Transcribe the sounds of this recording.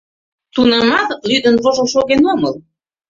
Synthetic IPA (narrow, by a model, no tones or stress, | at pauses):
t̪unɤmɑt̪lyd̪ənβoʒoʃoɣenoməl